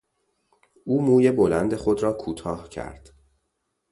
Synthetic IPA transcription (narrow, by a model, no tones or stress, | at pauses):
ʔuːmuːje̞bo̞lænd̪e̞xo̞d̪ɾɒːkʰuːt̪ʰɒːhcʰæ̰ɾd̪̥